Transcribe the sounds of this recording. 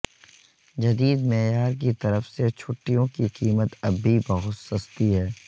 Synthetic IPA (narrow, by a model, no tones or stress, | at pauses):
d͡ʒɐd̪iːd̪meːjaːɾk̬it̪ɐɾəfset͡ʃʰʊʈːijõkiqiːmət̪ɐbʱːibɐɦʊt̪sɐst̪iɦɛː